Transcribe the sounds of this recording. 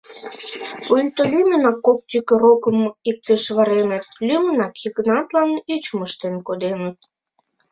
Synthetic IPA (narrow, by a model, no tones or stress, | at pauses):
ujlʲt̪olʲymʲənɑkːop̚t̪ʲykeɾokəmik̚t̪əʃβɑɾenət̪̚lʲymə̆nɑkjikənɑt̪lɑnyt͡ɕməʃt̪enkod̪enət̪̚